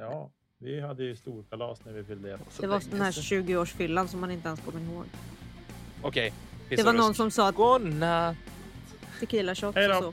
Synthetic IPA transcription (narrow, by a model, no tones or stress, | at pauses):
jɑː | vɪɦad̪ːəjɵst̪uːɾkʰalɑ̰ːsnæɾvɪvɪld̪ɛd̪ɛvaɾsd̪ɛnhæːɕʉ̟ːɡɪoːʂfʏlːans̬ɔmːhanɪnt̪əɛnskʰɔmːɪɾhoːɡ | ɔkʰɛjɪd̪ɛvanɔnːsɔmsɑːt̪a | t̪ɪkiːlaɕɔt̪sɔ